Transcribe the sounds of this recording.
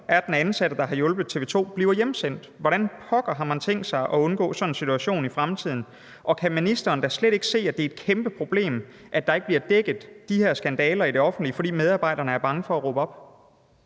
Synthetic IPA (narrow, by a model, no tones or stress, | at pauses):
ʔæɐd̥enænsæɾ̥əd̥ɑ̈ɦɑ̈jɔ̽lb̥ð̩ˠt͡sʰe̝ːʋe̝ːt͡sʰo̝̰ːb̥liːʊɐjemsen̰d̥ʋɒɾænpʰɒ̽ɡ̥ɐɦɑ̈mænt͡sʰeŋ̰ɡd̥sɑ̈ɪʔɒ̽ɔ̽nɡ̥ɔ̰ːsɒ̽nensit͡sʰuæɕo̝̰ːnifʁamt͡sʰið̰ˠn̩ | ʔɒ̽kʰæminisd̥ɐːnd̥æsleɾe̝ɡ̥ə̥se̝̰ːæd̥e̝ɐed̥kʰemb̥əpʰʁo̝b̥le̝̰ːm | ʔæd̥ɑ̈e̝ɡ̥̚b̥liɐd̥eɡ̥ð̩ˠd̥iheɐsɡ̥ænd̥ɛːlɐid̥e̝ɒ̽fn̩d̥liəfɒ̽ɾḭːmeð̞ˠɑ̈ːbɑ̈ɪ̰ɾ̥ɐnəæɐb̥ɑ̈ŋəfɒ̽æʁobəɒ̽b̥